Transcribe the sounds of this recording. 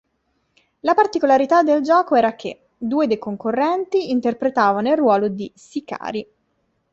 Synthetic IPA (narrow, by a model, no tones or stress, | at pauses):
lapart̪ikolaɾit̪ad̪ːeld͡ʒɔːkoɛːɾak̟ʰḛ | d̪ːuːed̪ejkoŋkorːɛnt̪iːnt̪erpɾet̪aːvanoilrːwɔːlod̪isika̰ːɾi